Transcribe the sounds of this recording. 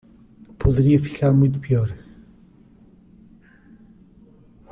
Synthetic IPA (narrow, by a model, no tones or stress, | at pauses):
pʰoðɾiɐfi̥kaɾmũjt̪̬upjɔɾe